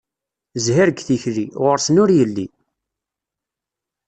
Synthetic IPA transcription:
zhæɾəɡθiçɾiʁʊɾsənʊɾjəlːi

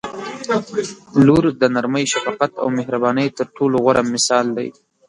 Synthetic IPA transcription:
luɾd̪ənaɾməjʃafɑqat̪a̰wmɪɦɾabɑnəjt̪əɾʈʰoloɣwaɾʔamɪsɑld̪a̰j

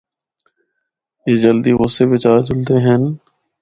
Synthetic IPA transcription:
eːd͡ʒəld̪iːʋoːsebɪt͡ʃaːd͡ʒʊld̪eɦɛn

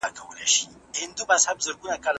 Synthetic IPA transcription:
akʰawna̰ʃihɪnd̪ubashabzɐɾɡʷʊnakʼal

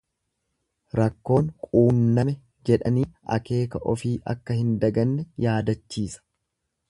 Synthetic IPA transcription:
ɾɐkːo̞ːnkʼuːmnɐmɛ | d͡ʒɛᶑɐniːʔɐ̰ke̞ːkɐʔɔfiːʔɐ̰kːɐhɪnd̪ɐɡɐnːɛjaːd̪ɐt͡ʃːiːsɐ̥

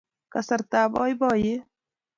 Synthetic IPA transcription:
kɐsɐɾt̪aːbɔːjbɔːje

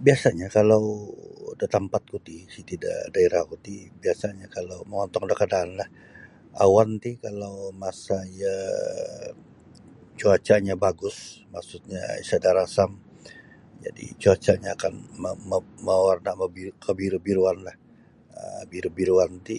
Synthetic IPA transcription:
biasaɲakalawdat̪ampat̪̚kut̪isit̪ida̰daeɾahkut̪ibiasaɲakalawməŋɔnt̪ɔŋdakadaːnlah | a̰want̪ikalawmasaia | t͡ʃuat͡ʃaɲabaɡʊsmaksut̪̚ɲa̰ḭsadaɾasam | d͡ʒa̰dḭt͡ʃuat͡ʃaɲaːkanmməwarnaməbikəbiɾubiɾuanlah | ə̰biɾubiɾuant̪i

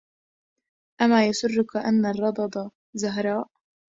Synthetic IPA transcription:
ʔamaːjasʊrːʊkaʔanːarˤːɑd̪ˤɑd̪ˤɑ | zaɦɾˤɑːʔ

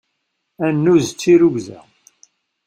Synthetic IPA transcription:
ænːuzt͡sːiɾuʝzæ̰

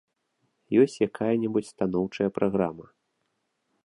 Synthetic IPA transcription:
jɔsʲt͡sʲjakʰajɐnʲɛbut͡sʲst̪an̪ɔwt͡ʂɐjɐpɾaɣɾamɐ

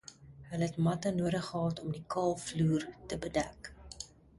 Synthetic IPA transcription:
ɦəlɦɛtmɐtənuəɾəχəɦɑːtɔmdikɑːlˠfluːrtəbədæk

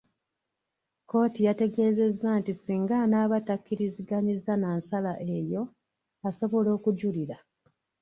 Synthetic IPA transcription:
ko̞ːtijate̞ɡe̞ːze̞zːantisiːŋɡanaːβatakːiɾiziɡaɲizːanaːnsalaʔe̞jo̞ | aso̞βo̞lo̞ːkuɟuliɾa

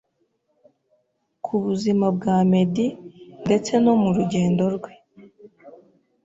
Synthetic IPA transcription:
kʰuβuzimab̚ɡaːme̞dinde̞t͡se̞no̞muɾuɟe̞ːndo̞ɾɡwe̞

